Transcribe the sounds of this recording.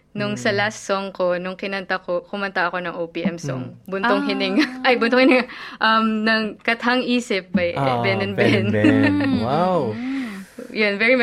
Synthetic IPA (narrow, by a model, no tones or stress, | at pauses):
nʊŋsɐlast̪soŋkonʊŋkɪnɐnt̪ɐkokʊmɐnt̪ɐʔɐko̞nɐŋʔowpiːʔɛmsɔ̰ŋbʊnoŋhɪnɪŋʔɐjbʊnt̪oŋhɪnɪŋɐʔɐmnɐŋkɐt̪hɐŋʔiːsɪp̚bɐjʔɛ̰bɛnɛnbɛnwaw | jonvɛɹim